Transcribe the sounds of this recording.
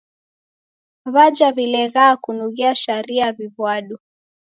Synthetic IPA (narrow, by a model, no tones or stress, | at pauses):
βad͡ʒaβilɛɣaːkunuɣiaʃaɾiaβiβwaɗu